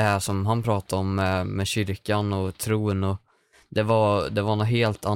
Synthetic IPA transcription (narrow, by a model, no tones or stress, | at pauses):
ɛhæːʂɔmɦanpʰɾɑːt̪aɔmːɛmɛɕʏɾkanɔt̪ʰɾuːnɔ | d̪ɛvaɾd̪ɛvanɔɦeːlt̪ʰa